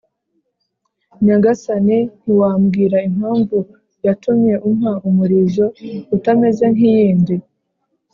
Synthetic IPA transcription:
ɲaɡasanin̥iwaːmɡiːɾaim̥haːɱvu | jatumɲe̞ʔum̥haʔumuɾiʒo̞utame̞ze̞ŋijiːndi

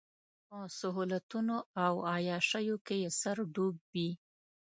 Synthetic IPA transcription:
masaɦulat̪unoawɑjɑʃajokejesaɾɖubbi

